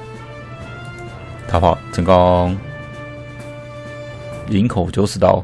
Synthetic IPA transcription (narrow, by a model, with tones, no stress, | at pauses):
t̪ʰa˨˥pʰɑ˨˩ʊt͡sʰə˨˩ŋkɑ˥ŋ | li˧˥ŋkʰo˨˩ʊt͡ɕjo˥˧ʊsɹ̩˥˩t̪ɑ̰˥˧˩ʊ